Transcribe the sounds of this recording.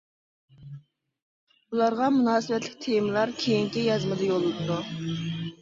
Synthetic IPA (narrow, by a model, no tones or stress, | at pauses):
bulˠɑɾʁɑmunɑːsɨvɛt̪lɪk̚ʲt̪ʰejmɨlˠɑɾkʲʰejiŋkʲijɑzmɨd̪ɑjolˠːɨd̪u